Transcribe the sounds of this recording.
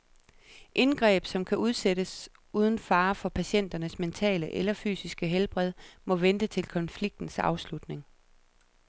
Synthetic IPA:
ʔe̝nɡ̥ʁɛ̰ːb̥sɒ̽mkʰæʔuð̞ˠseɾəs | uːð̞ˠn̩fɑ̈ːfɒ̽pʰæɕen̰d̥ɐnəsment͡sʰɛ̰ːləʔelɐfy̰ːsisɡ̥əɦelb̥ʁɛð̞ˠmɒ̽ʋend̥ət͡sʰe̝lkʰɒ̽nfliɡ̥̚d̥n̩sɑ̈ʊslud̥ne̝ŋ

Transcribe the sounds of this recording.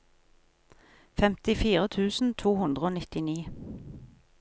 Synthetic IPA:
fɛmt̪ɪfiːʁət̪ʰʉːsn̩t̪ʰuːhʉnd̪ʁəoːnɪt̪ɪniː

